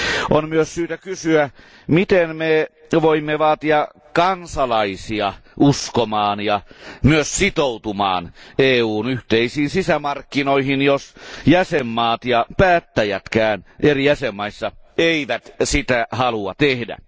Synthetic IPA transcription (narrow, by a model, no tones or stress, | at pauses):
ʔonmyøssyːt̪ækysyæ | mit̪enme | ʋoimːeʋɑːt̪iɑ | kɑnsɑlɑisiɑʔuskomɑːnjɑmyøssit̪out̪umɑ̰ːneːuːnyht̪eisiːnsisæmɑrkːinoihinjosjæsemːɑːt̪jɑpæːt̪ːæjæt̪kæːnʔerijæsemːɑisːɑeiʋæt̪sit̪æhɑluɑt̪ehdæ̰